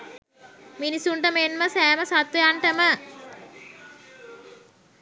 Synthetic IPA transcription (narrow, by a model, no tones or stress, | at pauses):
minisuɳʈəmenməsæːməsat̪wejaɳʈəmə